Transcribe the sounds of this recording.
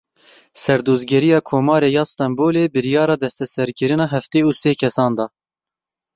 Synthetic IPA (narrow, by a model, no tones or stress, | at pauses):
sɛɾd̪oːzɡɛɾijɑːkʰoːmɑːɾeːjɑːst̪ɑmboːleːbɨɾijɑːɾɑːd̪ɛst̪ɛsɛɾkɨɾɨnɑːɦɛft̪eːuːseːkʰɛsɑːnd̪ɑː